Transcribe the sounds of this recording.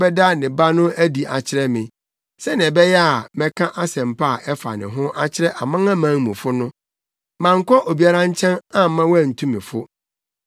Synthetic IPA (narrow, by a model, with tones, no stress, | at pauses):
bɛ˦da˦nɪ̃˨ba˦nʊ̃˦æ˦di˨ʔa˨t͡ɕʰɪ˦ɾɛ˦mɪ̃˨ | sɛ˦nɪ̃˨ɛ˨bɛ˦jɛ˦a˨mɛ̃˦kʰã˦ʔa˦sɛ̃˨m˨pʰa˦˨ʔɛ˦fa̰˨nɪ̰̃˨ɦʊ̃˦ʔa˦t͡ɕʰɪ˦ɾɛ˦ʔa˨mã˦ŋã˦mãː˨˦ŋmũ˨fʊ˦nʊ̃˦ | mã˨ŋ̩˦kʰɔ˦ʔo˨bi˦a˦ɾã˦ɲ˦t͡ɕʰɛ̃˦nã˦mã˦wæ˦˨n̩˨tʰũ˦mɪ̰̃˨fʊ˦